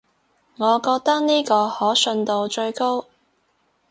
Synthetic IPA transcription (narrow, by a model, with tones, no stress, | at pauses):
ŋɔː˨˧kɔː˧k̚t̪ɐ˥k̚niː˥kɔː˧hɔː˨˥sɵ˧nt̪o˧wt͡ʃɵ˧ɥko˥w